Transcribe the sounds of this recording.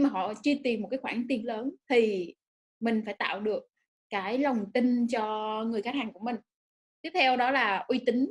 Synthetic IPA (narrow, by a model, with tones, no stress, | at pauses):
ɲ˧ŋmaː˨˩ɦɔ̰˧˨t͡ɕɨ˧t̪i˨˩mo˨˩t̚kaː˨˦xwaː˧˩nt̪i˧əmləː˨˦nt̪ʰi˨˩ | mï˨˩ŋ̟faː˧˩jt̪a̰ː˧˨wɗɨ˨˩ək̚ | kːaː˨˦jlə˨˩wŋ͡mt̪ï˧ŋ̟t͡ɕɔ˧ŋɨ˨˩əjxaː˦˥thaː˨˩ŋku˧˩əmï˨˩ŋ̟ | t̪i˦˥əp̚t̪ʰɛ˧wɗɔ˨˦laː˨˩ʔwi˧t̪ï˨˦ŋ̟